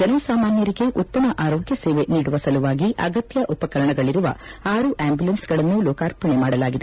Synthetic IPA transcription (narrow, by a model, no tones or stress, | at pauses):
d͡ʒɐnɐsaːmaːnjɐɾiɡe̞ʔut̪ːɐmɐʔaːɾɔːɡjɐseːʋeniːɽuʋɐsɐluʋaːɡiʔɐɡɐt̪jɐʔupɐkɐɾɐɳɐɡɐɭiɾuʋɐ̰aːɾuʔaːmbjulɐnsɡɐɭɐnːulɔːkaːɾpɐɳemaːɽɐlaːɡid̪e